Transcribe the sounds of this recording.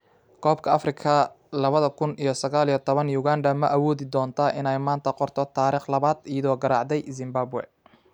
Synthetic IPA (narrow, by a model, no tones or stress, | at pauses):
kʰɔːbkʰɐɐfrɪkʰɐ | lɐβɐðɐkʰʊnijɞsɐɣaːlijɔt̪ʰɔβɐnjuɣaːndɐmɐʔɐwɔːðɪd̪ɔːnt̪ʰɐʔɪnɛjmaːnt̪ʰɐqɔrt̪ʰɔt̪ʰaːɾiːχlɐβaːd̪ijɐðɔːɡɐɾɑːʕd̪ɛjzɪmbaːbʊwɛ̰